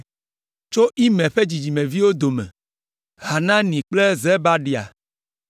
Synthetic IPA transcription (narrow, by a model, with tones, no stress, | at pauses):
t͡ʃo˦ʔi˦mɛ̃˨ɸe˦d͡ʑi˨d͡ʑi˨mẽ˨vi˦wo˦d̪o˨mɛ̰̃˨ | ɦa˨nã˦nĩ˨k͡ple˦ze˦ba˦ɖi˨a̰˨